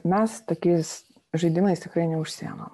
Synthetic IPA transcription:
mʲɛst̪oːkʲiːs | ʒɐɪd̪ʲɪmɐɪst̪ʲɪkɾɐɪnʲɛʊʃʲsʲḭɛno̰ːm

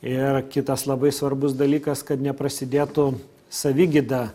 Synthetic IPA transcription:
ɪrkʲɪt̪ɐslˠɐbɐɪsʋɐɾbʊs̬d̪ɐlʲiːkɐskɐt̪nʲɛpɾɐsʲɪd̪ʲeːt̪ʊ | sɐʋʲɪɡʲɪd̪ɐ

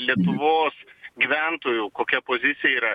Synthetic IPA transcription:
lʲiɛt̪ʊʋoːsɡʲɪʋʲænt̪oːjukoːkʲɛpoːzʲɪt̪sʲɪjɛiːɾɐ

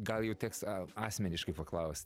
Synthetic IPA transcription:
ɡɐlˠjɛʊt̪ʲɛːksɑːsʲmʲɛnʲɪʃkɐɪpɐklˠɐʊsʲt

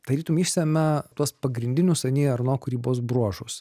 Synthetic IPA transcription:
t̪ɐɾʲiːt̪umiːʃʲsʲɛmʲɛt̪uɔspɐɡɾʲɪnʲd̪ʲɪnʲʊsɐnʲiːɐɾnoːkʊɾʲiːboːs̬bɾuɔʒʊs

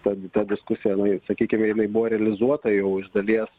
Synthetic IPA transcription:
t̪ɐt̪ɐd̪ʲɪskʊsʲɪjɛjɪnɐɪsɐkʲiːkʲɪmʲɛjɪnɐɪbʊʋɔːɾʲɛɐlʲɪzuɔt̪ɐjɛʊɪʒd̪ɐlʲiɛs

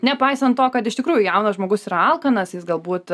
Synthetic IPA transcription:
nʲɛpɐɪsɐnt̪̚t̪oːkɐt̪ɪʃʲt̪ʲɪkɾuːjʊjɛʊnɐsʒmoːɡʊsiːɾɐɐlˠkɐnɐsjɪsɡɐlˠbuːtt̪

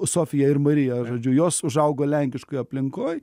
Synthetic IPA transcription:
soːfʲɪjɛɪrmɐɾʲɪjɛʒoːd͡ʒʲʊjoːsʊʒɐʊɡoːlʲɛŋʲkʲɪʃkʊɪjɐpʲlʲɪŋkoːj

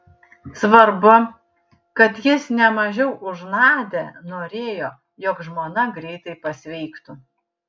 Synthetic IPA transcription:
sʋɐɾbʊ | kɐt̪jɪsnʲɛmɐʒʲɛʊʔʊʒnɑːd̪ʲenoːɾʲeːjoː | joːkʒmoːnɐɡɾʲɛɪt̪ɐɪpɐsʲʋʲɛɪkt̪u

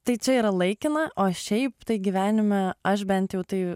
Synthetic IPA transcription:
t̪ɐɪt͡ʃʲɛiːɾɐlˠɐɪkʲɪnɐʔoːʃʲɛɪpt̪ɐɪɡʲiʋʲæːnʲɪmʲɛɐʃ̬bʲɛnt̪jɛʊt̪ɐɪ

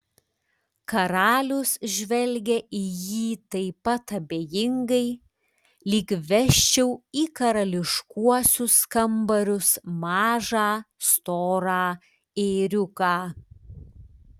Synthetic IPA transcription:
kɐɾɑːlʲʊsʒʲʋʲɛlʲɡʲɛʔɪjiːt̪ɐɪpɐt̪ɐbʲeːjɪŋɡɐɪ | lʲɪkʋʲɛʃʲt͡ʃʲɛʊiːkɐɾɐlʲɪʃkuɔsʲʊskɐmbɐɾʲʊsmɑːʒɑːst̪oːɾɑː | eɾʲʊkɑː

